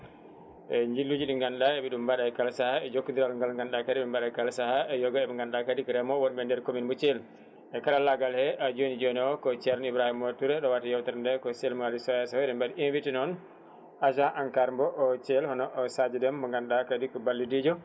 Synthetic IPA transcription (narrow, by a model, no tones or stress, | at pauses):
ɛɲd͡ʒilːud͡ʒuɗiŋɡanɗaɛbɛɗumbaɗajkalsahaɛd͡ʒokːundiɾalŋɡalŋɡanɗakadibɛmbaɗajkalsahaɛjɔɡɔɛbɛŋɡanɗakadikɔɾɛmɔwɔnbɛndɛɾkominbɔt͡ʃɛl | ɛkaɾalaɡalhɛʔad͡ʒonid͡ʒɔniɔkɔt͡ʃɛɾnibɾahimɔtuɾɛɗɔwatajɔwtaɾndɛkɔsɛlmaɾisɔjasɔhɛdɛmbadiʔinvitinɔn | aʃaʔaŋkaɾmbɔʔɔt͡ʃɛlhɔnɔʔɔsad͡ʒɛdɛmbɔŋɡanɗakadikɔbalːidid͡ʒɔ